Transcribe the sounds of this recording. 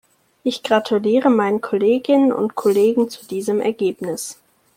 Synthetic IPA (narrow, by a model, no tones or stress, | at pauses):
ʔɪçɡ̥ʁatʰuliːʁəmaɪnəkʰɔleːɡɪnənʊ̰ntkʰɔleːɡŋ̩t͡sudiːzəmʔɛ̰ɐɡeːpnɪs